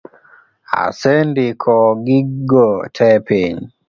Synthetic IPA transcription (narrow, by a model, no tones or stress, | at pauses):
a̰sendikʰɔɡiɡɔtʰɛpiɲ